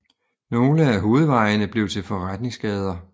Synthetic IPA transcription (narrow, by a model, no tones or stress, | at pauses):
no̝ːləæɦo̝ːð̞̩ˠʋɑ̈ɪnəb̥le̝ʊt͡sʰe̝lfɒʁad̥ne̝ŋsɡ̥ɛːð̞ˠɐ